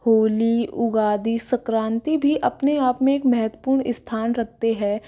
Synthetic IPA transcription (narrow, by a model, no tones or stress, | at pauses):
hoːliʊɡaːd̪isɐkɾãːnt̪ibʱiʔɐpneaːpmẽeːkmɛɦət̪wəpuːɾɳɪst̪ʰaːnɾɐk̚ʰt̪eɦɛ̃ː